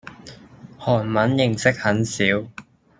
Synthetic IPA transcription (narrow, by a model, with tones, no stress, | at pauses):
hɔː˨˩nmɐ˨˥njɪ˨˩ŋsɪ˥k̚hɐ˨˥nsiː˨˥w